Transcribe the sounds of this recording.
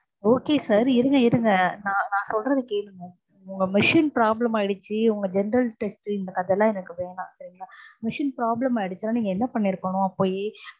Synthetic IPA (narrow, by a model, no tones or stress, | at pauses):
oːkeːsaːɾɪɾɯŋɡɐɪɾɯŋɡɐnãːnãːsɔlɾɐðɯkeːɽɯŋɡɐ | ʊŋɡɐmɪʂɪnpɾaːblɐmaːɪɽɯt͡ʃːɯʊŋɡɐd͡ʒɛnɐɾɐlʈɛsʈɪnd̪ɐkːɐðɛlːãːɛnɐkːɯʋeːnãːsɐɾɪŋɡɐnaːmɪʂɪnpɾaːblɐmaːɪɽɯt͡ʃːɯnːaːniːŋɡɐɛnːɐpɐɳːɪɾɯkːɐɳʊ̃ɐpːoːjeː